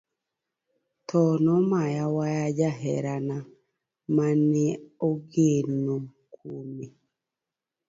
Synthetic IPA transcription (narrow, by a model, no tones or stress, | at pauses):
tʰɔnɔmajawajad͡ʒaɦɛ̰ɾana | manɛoɡeno | kʰume